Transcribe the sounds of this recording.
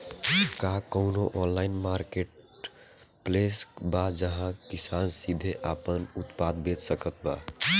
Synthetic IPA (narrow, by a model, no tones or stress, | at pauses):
kakəʊnoʔɔnlaɪnmaɾkeʈ | plesbad͡ʒəɦãkisansid̪ʱeʔapənut̪pad̪bed͡ʒ̪səkət̪̚ba̰